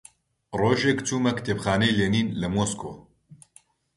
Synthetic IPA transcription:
roːʒekt͡ʃuːmɐkt̪ʰeːpxaːnejleːniːnlɨmoːskʰo̰ː

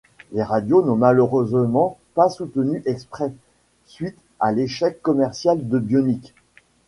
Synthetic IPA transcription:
leʁad̪jonɔ̃maløʁøzmɑ̃pasut̪ənyʔɛkspχɛ | sɥit̪ | aleʃɛkːɔmɛʁsjald̪əbjɔnik

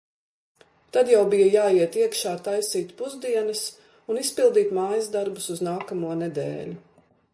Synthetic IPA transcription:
t̪ad̪jawbijɐjaːiɛt̪iɛkʃaːt̪ajsiːt̪puzd̪iɛnɐs | unispilˠd̪iːt̪maːjɐzd̪aɾbusuznaːkamuɔned̪ɛ̰ːlʲu

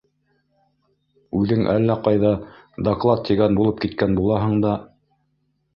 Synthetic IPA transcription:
ʉðɘŋʔæ̰lːæqɑjðɑ | d̪ɐklˠɑt̪t̪ːiɡænbulˠɤp̚kit̪kænbulˠɑɦɤ̆ɴd̪ɑ

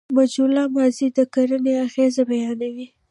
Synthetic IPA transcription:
mad͡ʒulɑmɑzid̪əkaɾəneaɣezabajɑnawi

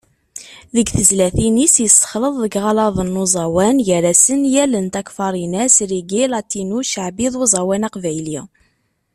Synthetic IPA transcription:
ðəɡθəzlæθinisjəst̪ːə̥χləðˤðəɡʁɑlɑðˤənːuzˤɑwænjəɾæsənjælənt̪ækfɑɾˤinæsɾiɡilɑt̪ːinuʃəʕbiðˤuzˤɑwænɑqvæjliʁ

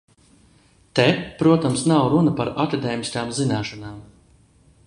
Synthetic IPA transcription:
t̪ɛpɾuɔt̪amsnawɾunapaɾak̪ad̪ɛːmʲiskaːmzinaːʃɔnaːm

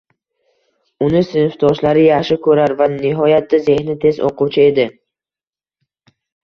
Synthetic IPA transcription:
ʊnɪsɪnɪft̪ʰɒʃlaɾɪjaχʃɪkʰɵɾaɾvanɪɦɒjat̪̚d̪aze̞hnɪt̪ʰe̞zʔo̰qʰuwt͡ʃʰɪe̞d̪ɪ

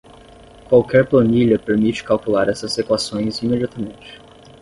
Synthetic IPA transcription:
kwawkɛɾplɐ̃niʎɐpeɾmit͡ʃɪ̥kawkulaɾɛsɐzːek̪uasõj̃zimed͡ʒiat̪ɐmẽnt͡ʃɪ̥

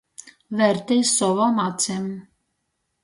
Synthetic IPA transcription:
vɛɾt̪ɛjsɔvɔmɑt͡sʰɛm

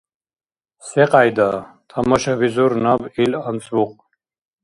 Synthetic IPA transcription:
sɛqʼajd̪at̪ʰamɔʃavizuɾnabilant͡sʼvuq̚ʼ

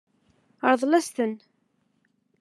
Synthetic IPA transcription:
əɾˤðˤlæst̪ən

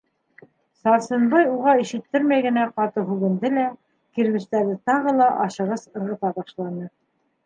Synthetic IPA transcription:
sɑɾsɤ̆nbɑjuʁɑiʃɘ̆t̪ːɘɾmæjɡɘ̆næqɑt̪ɤɦʉβɘ̆nd̪ɘlæ | kiɾβɘ̆ʃt̪æɾɘt̪ɑʁɤlˠɑʔɑʃɤ̆ʁɤsɤ̆ɾʁɤ̆t̪ɑbɑʃlˠɑnɤ

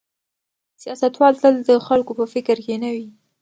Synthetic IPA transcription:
sijɑsat̪wɑlt̪əld̪əxalkopəfɪkɾkenawi

